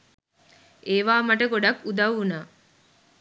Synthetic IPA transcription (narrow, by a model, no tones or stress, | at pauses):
ʔeːʋaːmɐʈəɡoɖɐkud̪ɐwːunaː